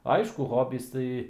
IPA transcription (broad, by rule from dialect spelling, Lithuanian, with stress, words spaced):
ˈɐɪʃkʊ ˈɣoːbʲiːs ˈtɐɪ